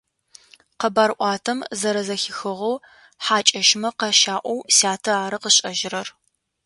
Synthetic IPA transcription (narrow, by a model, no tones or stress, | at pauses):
qɐbaːɾʔʷɑːtʰɐmzɐɾɐzɐxɪxɨʁow | ħaːt͡ʃʼɐʃmɐqɐʃaːʔʷɔwsaːtʰɐaːɾɨqəɕʼɐʒɪɾɐr